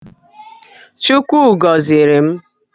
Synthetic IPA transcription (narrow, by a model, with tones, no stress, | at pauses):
t͡ʃu˦kʷu˦˨ɡɔ˨zɪ˨ɾe˨m̩˦